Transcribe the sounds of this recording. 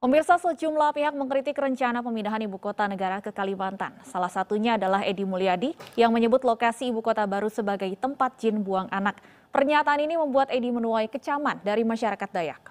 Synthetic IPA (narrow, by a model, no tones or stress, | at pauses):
pəmirsasəd͡ʒumlapiɦak̚məŋkɾit̪ɪkrəɲt͡ʃanap̬əminaɦanibukot̪anəɡaɾakəkalimant̪a̰nsalahsat̪uɲaːdalaɦedimuliadijaŋməɲəbʊt̪lokasiːbukot̪abaɾusəbaɡajt̪əmpat̪̚d͡ʒɪnbuaŋʔanak̚ | pərɲat̪aːniniməmbuat̪edimənuajkət͡ʃamandaɾimaʃaɾakat̪̚daja̰k̚